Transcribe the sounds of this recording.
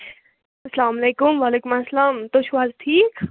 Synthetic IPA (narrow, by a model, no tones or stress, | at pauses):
ɐslaːmɐleːkumʋaleːkumasɐlaːmt̪oʃwaːzt̪ʰiːk